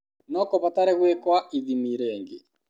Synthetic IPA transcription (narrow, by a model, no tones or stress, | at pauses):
nɔkoβataɾɛɣwekwaiðimiɾɛːŋɡḛ